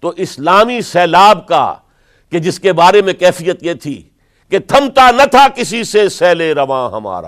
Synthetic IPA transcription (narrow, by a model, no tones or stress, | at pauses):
t̪oʔɪslaːmisɛːlaːbka̰ | ked͡ʒɪskebaːɾemẽkɛːfijət̪jeːt̪ʰḭ | ket̪ʰɐmt̪anɐt̪ʰakɪsisesɛːleɾɐʋãːɦɐ̰ma̰ːɾa̰ː